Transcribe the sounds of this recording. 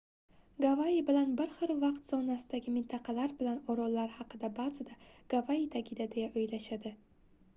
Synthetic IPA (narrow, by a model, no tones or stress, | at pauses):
ɡavaibɪlanbɪɾχɨɾvɑqt̪sɒnasɪd̪aɡʲɪmɪnt̪ʰɑqʰɑlaɾbɪlanɒɾɒlːaɾhɑqɨd̪abazɪd̪aɡ̥avaid̪aɡʲɪd̪ad̪e̞jaʔojlaʃad̪ɪ